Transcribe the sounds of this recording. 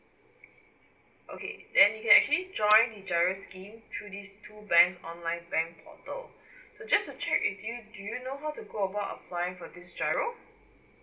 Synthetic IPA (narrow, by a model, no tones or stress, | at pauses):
ʔokʰḛdɛ̃njukɛ̃nɛk̚t͡ʃəlid͡ʒɔ̃ɪ̃ndid͡ʒaɪɹoskĩmt̪ʰɹudistʰubɛ̃ŋksɔ̃nlãɪ̃nbɛ̃ŋkpʰɔ̰tə̰l | sod͡ʒastut͡ʃɛkḭtjudujunoɦaʊtuɡoəbaʊtə̰pʰlajɪ̃ŋfɔdisd͡ʒaɪɹo